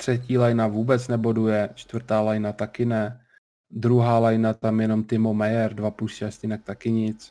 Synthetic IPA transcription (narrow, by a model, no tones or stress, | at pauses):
t̪r̥ɛciːlajnavuːbɛt͡snɛbo̞dujɛt͡ʃt̪vr̩t̪aːlajnat̪akɪnɛ | d̪ɾuɦaːlajnat̪amjɛno̞mt̪ɪmomɛjɛɾdvapuscascɪnak̚t̪akɪɲɪt͡s